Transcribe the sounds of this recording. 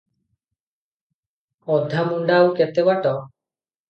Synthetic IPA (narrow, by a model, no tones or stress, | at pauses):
ɔd̪ʱamuɳɖauket̪ebaʈɔ